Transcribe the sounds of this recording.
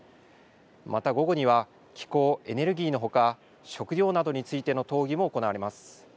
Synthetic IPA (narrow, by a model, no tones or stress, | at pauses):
mat̪aɡo̞ɡo̞ɲ̟iβ̞a | kʲi̥ko̞ːe̞ne̞ɾɯ̟ɡʲiːno̞ɦo̞ka | ɕo̞kɯ̟ɾʲo̞ːnad̪o̞ɲ̟it͡sɨit̪e̞no̞t̪o̞ːɡʲimo̞ːko̞naβaɾe̞masɨ̥